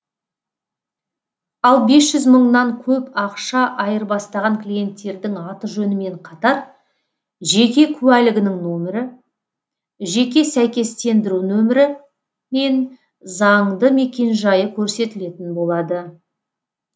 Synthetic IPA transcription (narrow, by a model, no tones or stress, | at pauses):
ɑlˠbe̞sʒ̥ʏzməɴnɑŋkʲʰɵpɑqʃɑʔɑjəɾbɑst̪ɑʁɑŋklʲije̞nt̪ːe̞ɾd̪ɪŋɑt̪əʒɵnɪme̞ɴqʰɑt̪ɑɾ | ʒe̞kʲe̞kʲʰʉwælɪɡʲɪnɪŋnɵmɪɾɪ | ʒe̞kʲe̞sæjkʲe̞st̪e̞nd̪ɪɾunɵmɪɾɪ | me̞n | zɑɴd̪əme̞kʲe̞nʒɑjəkʲʰɵɾse̞t̪ɪle̞t̪ɪnbo̞lˠɑd̪ə